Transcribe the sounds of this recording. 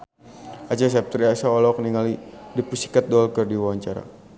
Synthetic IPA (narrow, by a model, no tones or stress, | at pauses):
ʔat͡ʃas̬ɛp̚t̪ɾiasaɔlɔk̚niŋalidipusi̥kat̪̚dɔlkərdiwawaɲt͡ʃaɾa̰